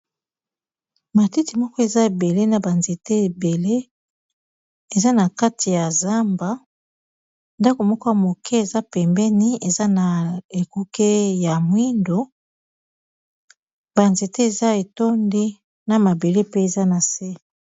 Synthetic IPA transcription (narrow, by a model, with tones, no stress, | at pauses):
ma˨ti˦ti˨mɔ˦kɔ˦e˨za˦e˨be˨le˦na˨ba˨nze˨te˦e˨be˨le˦ | e˨za˦na˨ka˦ti˨ja˨za˦mba˨˦ | nda˦ko˨mɔ˦kɔ˦ja˨mo˨kʰɛ˦e˨za˦pɛ˨mbɛ˦ni˦e˨za˦na˨e˨ku˦ke˦ja˨mwi˦ndo˨ | ba˨nze˨te˦e˨za˦e˨to˦ndi˦ | na˨ma˨be˨le˦pe˦e˨za˦na˨se˦